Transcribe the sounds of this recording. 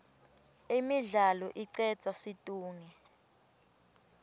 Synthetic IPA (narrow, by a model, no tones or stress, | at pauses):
imiɮalɔʔiǀɛ̥t͡sʰʼasitʼuːŋi